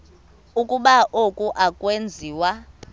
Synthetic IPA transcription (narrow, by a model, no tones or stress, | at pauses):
ukʼuɓaʔokʼuʔakʼwend͡zʱiːwa